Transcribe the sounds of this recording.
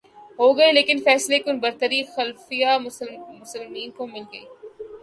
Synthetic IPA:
ɦoːɡɐeleːkɪnfɛːslekʊnbɐɾt̪əɾixɐlfijamʊsəlmiːnkomɪlɡɐḭː

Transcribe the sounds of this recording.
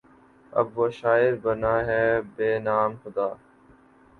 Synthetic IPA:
ə̰bʋoːʃaːɪɾbənaːɦɛːbeːnaːmhʊd̪aː

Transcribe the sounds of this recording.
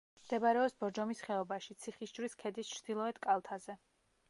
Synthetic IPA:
md̪̥ɛbaɾɛɔsbɔɾd͡ʒɔmisχɛɔbaʃit̪sʰiχisd͡ʒɾiskʰɛd̪ist͡ʃʰɾd̪̥ilˠɔɛd̪̥kʼalˠt̪ʰazɛ

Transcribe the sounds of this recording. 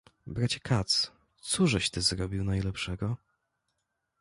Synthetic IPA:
bɾat͡ɕɛ̥kʰat̪s | t̪suʐɛɕt̪ɘzɾɔbʲiwnajlɛpʂɛɡɔ

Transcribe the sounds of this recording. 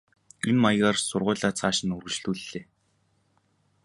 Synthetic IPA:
inmajɣaːrsʊrʁʊ̟ːɮaːt͡sʰaːʃɪ̆nɵrɣɘ̆t͡ɕɮuːɮːeː

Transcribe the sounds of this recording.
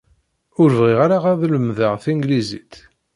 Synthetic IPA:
ʊɾvʁiʁaɾaʁaðləmðəʁθiŋɡlizit̪

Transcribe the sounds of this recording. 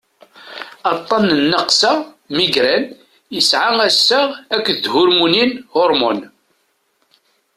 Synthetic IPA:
ɑt̪ˤːɑnːnːəqsa | miɡɾæn | jəsʕaŋæsːəʁækʷːðd̪hʊɾmuninhʊɾˤmɔn

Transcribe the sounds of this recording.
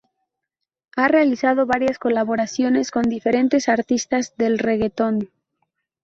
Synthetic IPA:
arealisað̞o̞βaɾjasko̞laβo̞ɾasjo̞ne̞sko̞nd̪ife̞ɾe̞nt̪e̞saɾt̪ist̪azðe̞lre̞ɣe̞t̪o̞n

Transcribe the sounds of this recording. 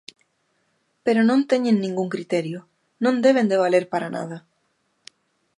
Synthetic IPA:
peɾonõnt̪eɲẽnːĩŋɡuŋkɾit̪eɾjo | nõnd̪eβ̞end̪eβ̞aleɾpaɾana̰ð̞a

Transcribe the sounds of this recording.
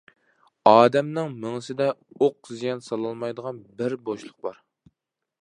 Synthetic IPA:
ɑːd̪ɛmnɪŋmɪŋɨsɪd̪ɛoq̚zijɑnsɑlˠɑlˠmɑjd̪əʁɑnbɪɾboʃlˠʊq̚bɑɾ

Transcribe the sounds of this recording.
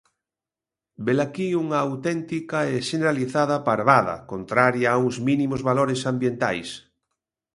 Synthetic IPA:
belakiuŋɐːwt̪ɛnt̪ikaeʃeneɾaliθaðɐpaɾβaðɐ̰kont̪ɾaɾjauŋzminimozβaloɾesambjent̪a̰js

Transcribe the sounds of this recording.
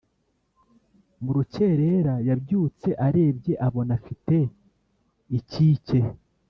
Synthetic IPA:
muɾuce̞ɾe̞ɾajabjuːt͡se̞ʔaɾe̞ːbɟe̞ʔaβo̞nafite̞ | iciːce̞

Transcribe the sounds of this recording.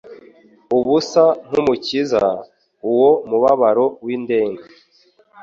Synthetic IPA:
uβusan̥umuciza | uwo̞muβaβaɾo̞wiːnde̞ːŋɡa

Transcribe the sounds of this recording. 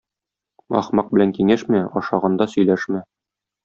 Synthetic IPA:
ɒ̰χmɑq̚bɘ̆læŋkiŋæʃmæɒʃɑʁɑnd̪ɑsɵ̆jlæʃmæ

